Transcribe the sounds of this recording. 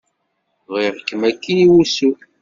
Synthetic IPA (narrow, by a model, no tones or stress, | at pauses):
ʁiɾəkːəmækːiiwusu